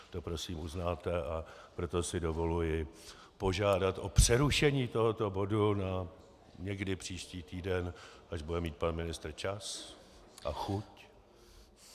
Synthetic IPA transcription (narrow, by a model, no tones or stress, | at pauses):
t̪o̞pɾo̞siːmuznaːt̪ɛʔapɾo̞t̪o̞sɪdo̞vo̞lujɪ | po̞ʒaːdat̪ʔo̞pr̝̥ɛɾuʃɛɲiːt̪o̞ɦo̞t̪o̞bo̞duna | ɲɛɡdɪpr̝̥iːʃciːt̪iːdɛnʔaʒbudɛmiːt̪̚panmɪnɪst̪rt͡ʃas | ʔa̰xuc